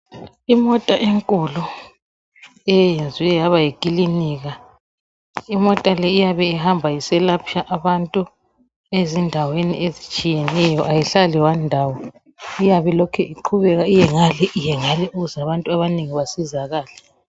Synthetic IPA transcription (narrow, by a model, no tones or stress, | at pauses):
imɔtʼaʔeŋkʼulu | ɛjend͡zʱiwɛjaβajikʼiliniːɣa | imɔtʼalɛijaβɛiɦambʱajisɛlapʰijaʔaβantʼu | ezindʱawenḭʔezit͡ʃʼijɛnɛjɔʔajiɬaliwandʱawɔ | ijaβɛlɔkʰɛʔiǃʰuβɛɣaijɛŋalɛʔijɛŋalɛʔuɣuzaβantʼuaβaneŋiβasizaɣaːlɛ